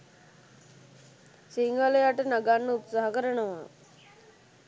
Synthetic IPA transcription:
siŋaləjaʈənaɡanːəut̪saɦakəɾənəʋa

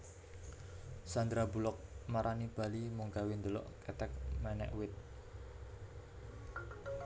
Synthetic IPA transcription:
sand̪ɾabṳlɔk̚maɾʔanib̥a̤limuŋkawind̪əlɔ̰ʔkɛt̪ɛk̚mɛnɛ̰ʔwɪt̪̚

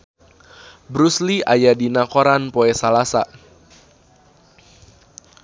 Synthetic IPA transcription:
bɾusliʔajadinakoɾanpoɛsalasa̰

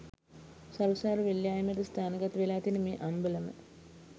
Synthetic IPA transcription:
sawsaːɾəʋeljaːjɐmeʈəst̪ʰaːnəɡat̪ʋelaːt̪inəmeːʔambələmə̰

